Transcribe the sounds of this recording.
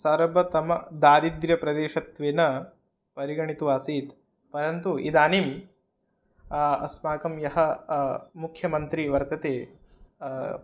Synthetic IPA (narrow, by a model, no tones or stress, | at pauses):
sɐːɾɐbʱɐt̪ɐmɐd̪aːɾid̪ɾjɐpɾɐd̪eːʃɐt̪ʋeːnɐ | pɐɾiɡɐɳit̪uʋaːsiːt̪ | pɐɾɐnt̪uḭd̪aːnim | ɐ̰smaːkɐmjɐɦɐ | mukʰjɐmɐnt̪ɾiʋɐɾt̪ɐt̪eː